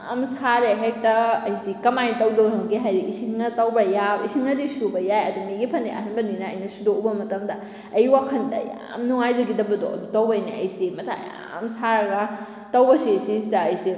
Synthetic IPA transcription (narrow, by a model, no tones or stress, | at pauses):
amsaɾeɦek̚tɐɐjsikɐmajtɐwdownaɡiɦajɾiisiŋɐtɐwbɐjaisiŋɐdisubɐjajɐdumiɡipʰɐneɐ̰ɦɐnbɐninɐːjnɐsudoubɐmɐtɐmdɐ | ɐjwakʰɐndɐ̰ja̰mnuŋajzɐɡidɐbɐdo̰ɐ̰dutɐwbɐjnaɐ̰jsimɐtʰa̰ja̰ | msaɾɡɐ | tɐwbɐsesisdɐːjsi